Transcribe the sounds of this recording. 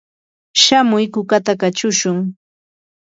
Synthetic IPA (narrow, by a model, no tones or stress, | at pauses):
ʃamʊjkʊkat̪akat͡ʃʊʃʊŋ